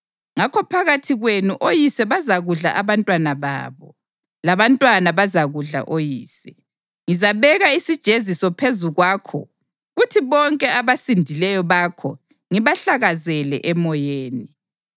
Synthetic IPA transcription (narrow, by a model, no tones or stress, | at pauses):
ŋakʰɔpʰaɣatʰiɣwenuʔojisɛβazaɣuɮa̰ʔaβantʼwanaβa̰ːβɔ | laβantʼwanaβazaɣuɮa̰ʔojiːsɛ | ŋizaβɛɣaisid̥ʒ̥ʱezisɔpʰezuɣwaːkʰɔ̰ | ɣutʰiβɔŋkʼɛaβasindʱilɛjɔβakʰɔ | ŋiβaɬaɣazɛlɛ̰ʔɛmɔjeːni